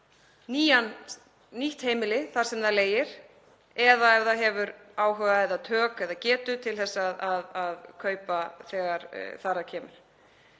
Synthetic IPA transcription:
niːjan | niht̪heːjmɪlɪθaɾ̥sɛmðaðleːjɪɾ̥ | ɛðaɛvðaɦɛvʏɾaːwɦœːɣaɛðat̪ʰœːkɛðacɛːt̪ʏt̪ʰɪlθɛsːaðaðaðkʰœːɥpaθɛːɣaɾ̥θaːɾacʰɛːmʏl

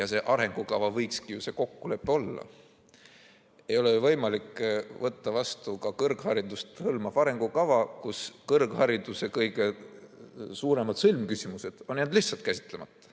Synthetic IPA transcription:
jɑse̞ːʔɑɾe̞ŋɡ̥ukɑvɑvɤjkskijuse̞ːko̞kːule̞pːeo̞lːɑ̰ | ejo̞levɤjmɑlikvɤt̪ːɑvɑst̪ukɑkɤrɡ̥hɑɾid̪ust̪hɤlmɑfɑɾe̞ŋɡ̥ukɑvɑkuskɤrɡ̥hɑɾid̪̥use̞kɤjɡ̥e̞ | suːɾe̞mɑd̪̥sɤlmkysʲimuse̞d̪̥o̞nnend̪liht̪sɑlt̪̚kæsʲi̥t̪ˑle̞mɑt̪ːˑɑ̥

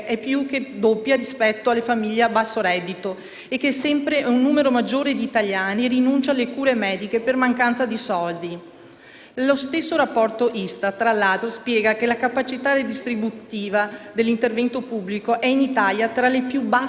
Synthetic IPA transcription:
ʔɛpːjukːed̪opːjaɾispɛt̪ːoalːefamiʎːebasːoɾɛd̪ːit̪o | ekːesːɛmpɾeunːuːmeɾomad͡ʒːoːɾed̪iːt̪aʎjaːnirinunt͡ʃalekuːɾemɛːd̪ikepermaŋkant̪sad̪isɔld̪i | lost̪esːoɾapːɔrt̪oʔist̪at̪ɾalːaːt̪ɾospjɛːɡak̟elakapat͡ʃit̪ared̪ist̪ɾibut̪iːvad̪elːint̪ervɛnt̪opubːlikoʔɛinit̪aljat̪ɾalepjuba

